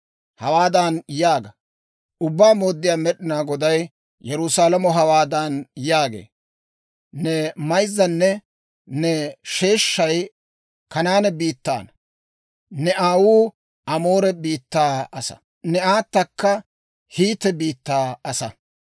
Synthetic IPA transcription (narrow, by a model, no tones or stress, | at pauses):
hɐwaːd̪aːnjaːɡɐ | ʔʊbːaːmo̞ːd̪ːɪjaːmɛɗɪnaːɡɔd̪ɐj | jɛɾʊsaːlɐmɔɦɐwaːd̪anjaːɡḛː | nɛmɐjzːɐnːɛ | nɛʃe̞ːʃːɐj | kɐnaːnɛbiːt̪ːa̰ːnɐ | nɛʔaːwuː | ɐmoːɾɛbiːt̪ːaːɐsɐ̥̰ | nɛaːt̪ːɐkːɐ | hiːt̪ːɛbiːt̪ːaːɐsɐ